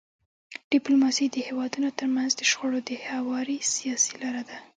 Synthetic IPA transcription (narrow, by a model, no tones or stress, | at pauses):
ɖ̥ɪplomɑsid̪əhewɑd̪unot̪əɾmanzd̪əʃxoɽod̪əhawɑɾisijɑsilɑɾad̪a